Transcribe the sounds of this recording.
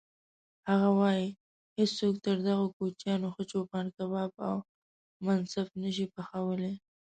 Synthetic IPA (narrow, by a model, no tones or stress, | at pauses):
haɣawɑji | hed͡zt͡sok̚t̪əɾd̪aɣokut͡ʃjɑnoxət͡ʃopɑnkabɑba̰w | mansafnəʃ̬ipaxawəle